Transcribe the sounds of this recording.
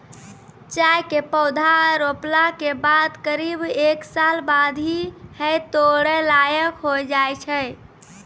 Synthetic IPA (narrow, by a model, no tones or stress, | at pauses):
t͡ʃajkepəwd̪ʱaɾoplakebad̪kəɾibeksalbad̪ʱihəjt̪oɽəlajəkɦojd͡ʒajt͡ʃʰəj